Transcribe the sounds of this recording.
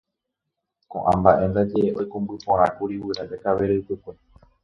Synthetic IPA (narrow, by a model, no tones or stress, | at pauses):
kõ̰ʔã̰mbaʔẽ̞nd̪ad͡ʒe̞eojkõmbɨpõɾ̃ãkuɾiwɨɾaʔekaʋe̞ɾɨɨpɨkʷe